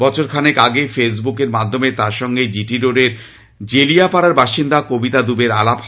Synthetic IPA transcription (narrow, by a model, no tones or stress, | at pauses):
ɔt͡ɕʰoɾkʰanekaɡejfesbukeɾmad̪ʱːomet̪aɾʃɔŋɡed͡ʑiʈiɾoɖeɾ | d͡ʑelijapaɽaɾbaʃind̪akobit̪ad̪ubeɾalap